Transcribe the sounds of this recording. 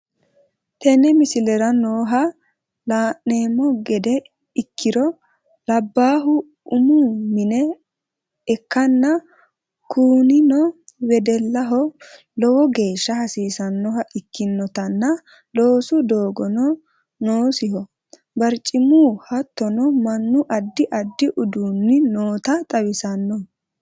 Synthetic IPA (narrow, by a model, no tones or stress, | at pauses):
t̪ɛnɛmɪsɪlɛɾɐnoːɦɐ | laːʔe̞ːmːɔɡɛd̪ɛ | ɪkʰːɪɾɔ | lɐbːaːɦʊ | ʊmuːmɪnɛː | kːɐnːɐ | kʰuːnɪnɔwɛd̪ɛlːɐɦɔ | lɔwɔɡe̞ːʃːɐhɐsiːsɐnːɔhɐʔɪkːɪnːɔt̪ɐnːɐ | lo̞ːsʊd̪oːɡɔnɔ | noːsɪhɔ | bɐɾt͡ʃʼːɪmuːhɐt̪ːɔnɔmɐnːʊʔɐd̪ːɪʔɐd̪ːɪʔʊd̪uːnːɪnoːt̪ɐt̪ʼɐwɪsɐnːɔ